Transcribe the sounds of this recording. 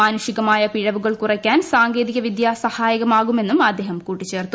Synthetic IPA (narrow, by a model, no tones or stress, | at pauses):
aːnɐʂiɣɐmaːjɐpiɻɐʋuɣɐɭkurɐkʲːaːnsaːŋɡe̞ːðiɣɐʋid̪jaːsɐhaːjɐɣɐmaːɣume̞nːumɐd̪ːe̞ːɦɐmkuːʈːit͡ɕːe̞ːrt̪ːu